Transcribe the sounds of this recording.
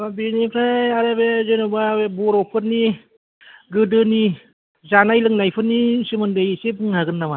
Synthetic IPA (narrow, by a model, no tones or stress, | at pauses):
abinikʰɾaaɾebezɯjnɯbabebɔɾɔpʰɯt̚ni | ɡɯdɯni | zanajlɯŋnajpʰɯt̚nisɯmɯndɯjseb̚ɯŋhaɡɯnːama